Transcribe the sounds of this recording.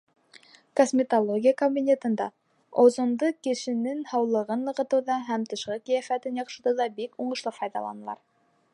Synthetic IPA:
kosʲmʲɪt̪olˠoɡʲijakobʲinʲet̪ɤ̆nd̪ɑ̰ | ozŏnd̪ɤkɘ̆ʃɘ̆nɘŋhɑwlˠɤ̆ʁɤnːɤ̆ʁɤ̆t̪ɤ̆wðɑɦæmt̪ɤ̆ʃqɤkijæfæt̪ɘnjɑχʃɤ̆d̪ɤðɑbikuɴɤ̆ʃlˠɤfɑjðɑ̰lˠɑ̰nɤ̆lˠɑ̰ɾ

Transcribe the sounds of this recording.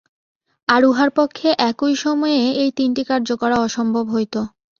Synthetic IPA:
aɾuɦaɾpokʰːeʔɛkujʃɔmɔeeejt̪inʈikaɾd͡ʑokɔɾaɔʃɔmbʱobɦojt̪o

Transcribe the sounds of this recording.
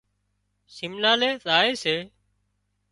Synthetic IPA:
simnaːleːt̪aːeːseː

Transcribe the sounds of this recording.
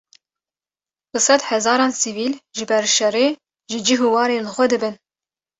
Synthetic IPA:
bɨsɑd̪ħɛzɑːɾɑːnsiviːlʒɨbɛɾʃɛreː | ʒɨd͡ʒiɦuwɑːɾeːlɨxʷɛd̪ɨbɨn

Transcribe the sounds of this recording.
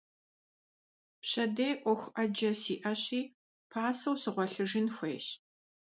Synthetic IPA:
pɕɐdejʔʷɔxʷʔɐd͡ʒɐsiːʔɐɕiː | pʰaːsɐwsɨʁʷɔɬɨʒɪnxʷeːɕ

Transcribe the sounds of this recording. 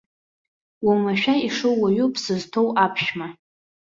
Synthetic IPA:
wamaʃᶣaiʂowwaɥupʰsɨztʰowapʰʃma

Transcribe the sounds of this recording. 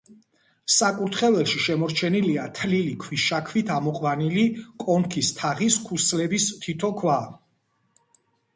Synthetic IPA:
sakʼuɾt̪ʰχɛvɛlˠʃiʃɛmɔɾt͡ʃʰɛniliat̪ʰlilikʰwisʃakʰvit̪ʰamɔqʼwanilikʼɔmkʰist̪ʰaʁiskʰuslɛbist̪ʰit̪ʰɔkʰwa

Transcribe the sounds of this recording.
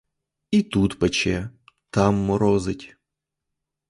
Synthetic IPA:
it̪ut̪pɐt͡ɕɛt̪amːʊɾɔzɨtʲ

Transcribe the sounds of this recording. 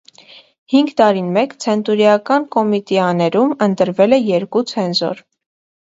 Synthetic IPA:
hiŋɡt̪ɑɾinmɛkt͡sʰɛnt̪uɾjɑkɑnkɔmit̪ɛɑnɛɾumənt̪əɾvɛlɛjɛɾkut͡sʰɛnzɔ̰ɾ

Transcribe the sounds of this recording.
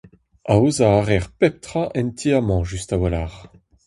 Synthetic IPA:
aozaːʁɛʁpɛp̚t̪χaʔɛnt̪ʰiamɑ̃ʒyst̪awalaːʁ

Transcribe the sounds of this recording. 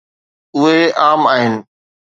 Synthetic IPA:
ʊɦeaːmaːɦɪnɪ̆

